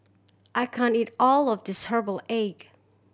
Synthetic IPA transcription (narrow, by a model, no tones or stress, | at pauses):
ʔaɪkʰæ̃ntiɾɔlˠʌvdɨsɜ˞bl̩ˠeɪɡ